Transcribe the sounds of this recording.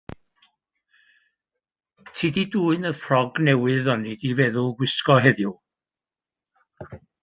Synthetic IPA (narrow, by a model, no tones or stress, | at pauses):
tʰididuːɨnəfrɔɡnɛwɨðɔnidivɛðʊlˠɡwɪskɔɦɛðjʊ